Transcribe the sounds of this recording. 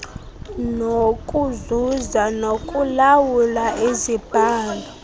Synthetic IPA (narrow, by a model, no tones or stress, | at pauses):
nokʼuzuzanokʼulawulaʔezib̥ʱaːlɔ